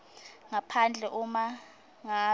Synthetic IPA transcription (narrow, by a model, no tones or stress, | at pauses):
ŋapʰand͡ɮʱɛʔuma | ŋa